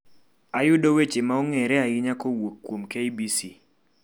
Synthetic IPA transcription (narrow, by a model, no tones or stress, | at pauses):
ajʊdowet͡ʃemaoŋeɾɛaɪɲakowokːwomkeibisi